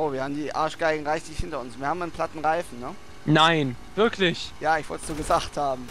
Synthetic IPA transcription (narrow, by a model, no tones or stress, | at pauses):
ʔoːviːɐhaːbmdiːʔa̰ːɐʃɡ̥aɪɡŋ̩ʁaɪçlɪçhɪntɐʊnsviːɐhaːmaɪnpʰl̥atn̩ʁaɪfn̩nə | naɪnv̥ɪɐkʰlɪçjaːɪçv̥ɔltsz̥oːɡəzaːχthaːbm̩